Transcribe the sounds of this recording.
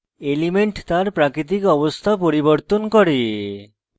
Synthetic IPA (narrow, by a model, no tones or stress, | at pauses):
elimeɳʈt̪aɾpɾakɾit̪ikɔbost̪ʰapoɾiboɾt̪onkɔɾe